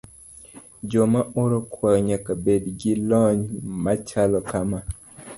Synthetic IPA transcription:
d͡ʒomaʔoɾokwaɲakabedɡilɔɲmat͡ʃalɔkama

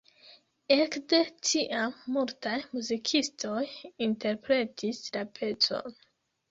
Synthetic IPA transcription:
e̞kde̞tʰiʔamːultajmuzikʰisto̞jinte̞ɾpɾe̞tʰislapʰe̞t͡so̞̰n

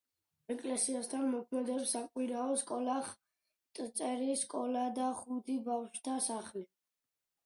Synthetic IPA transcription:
ɛkʼlɛsiast̪ʰanmɔkʰmɛd̪ɛpsakʼwiɾaɔskʼɔlaχ | t̪ʼt̪sʼɛɾiskʼɔlad̪aχud̪ibafʃt̪ʰasaχli

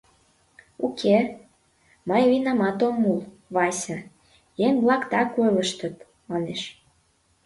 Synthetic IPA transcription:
ukʰe | mɑjvinɑmɑt̪omːulˠ | βɑsʲə | jeŋβlɑkt̪ɑkojləʃt̪ət̪ | mɑneʃ

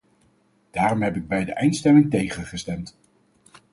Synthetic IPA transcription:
d̥aːrɔmɦɛpɪɡ̚bɛjdəʔɛjntstɛmɪŋtejχənχəstɛmt

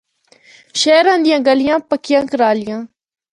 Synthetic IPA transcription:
ʃeːɾãːd̪ɪjãːɡəlɪjãːpəkɪjãːkəɾaːlɪjãː

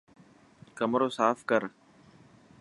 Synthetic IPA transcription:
kəmɾoːsaːfkəɾ

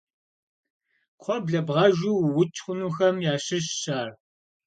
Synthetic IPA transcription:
qʷʰɔbɮɐbʁɐʒuːwwʊt͡ʃʼχʷʊnuːxɐmjaːɕɪɕɕaːr

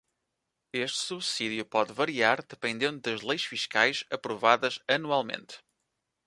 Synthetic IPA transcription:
eʃt̪suβsiðjupɔðvɐɾiaɾðɨpẽnd̪ẽnd̪uðɐʒlˠejʃfiʃkajʃɐpɾuvaðɐzɐnualˠmḛ̃nt̪

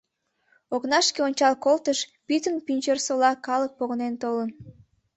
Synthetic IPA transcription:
oknɑʃkeonʲt͡ɕɑlkolt̪əʃpyt̪ənpinʲt͡ɕersolɑkɑlək̚poɣənent̪olən

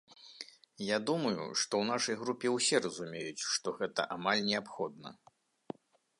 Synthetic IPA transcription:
jad̪umɐjṵʂt̪ɔwnaʂɐjɣɾupʲɛwsʲɛrɐzumʲejut͡sʲʂt̪ɔɣɛt̪ɐ̰ʔamalʲnʲɛapxɔd̪nɐ̰

